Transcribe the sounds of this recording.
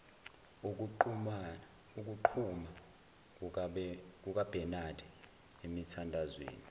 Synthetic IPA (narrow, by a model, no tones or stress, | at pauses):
uk̬uǃum | uk̬uǃʰuma | k̬uk̬ʼab̥ʱɛnad̥ʱɛ | emitʰandʱazwḛːni